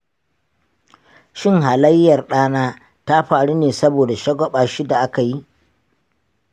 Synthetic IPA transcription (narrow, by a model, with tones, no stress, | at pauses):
ʃɪ˦ŋɦa˨lɐ˦jːɐ˨rɗaː˦naː˦ | ta˦ɸaː˨ɽu˦neː˨sɐ˦boː˨da˨ʃɐ˦ɡɔ˦ɓaː˨ʃi˦da˨ʔa˦ka˨ji˦ʔ